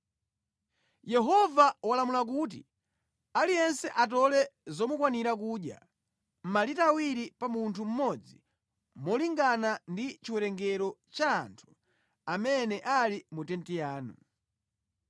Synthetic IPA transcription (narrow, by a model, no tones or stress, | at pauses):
jɛɦɔvawalamulak̬ut̬ḭ | alijɛnsɛʔat̬ɔlɛzɔmukwaniɾakuːɗja̰ | m̩malitawiɾipamuntʰum̩mɔd͡zi | mɔliŋɡanandit͡ʃiwɛɾɛŋɡɛɾɔt͡ʃa̰ːntʰu̥ | amɛnɛʔalimutɛntijaːnu